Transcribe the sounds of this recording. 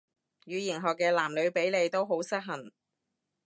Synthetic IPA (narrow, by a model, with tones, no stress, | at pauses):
jyː˨˧jiː˨˩nɦɔː˨˩kːɛː˧laː˨˩mlɵ˨˧ɥpe˨˥jle˨˧jt̪o˥wɦo˨˥wsɐ˥t̚ɦɐ˨˩n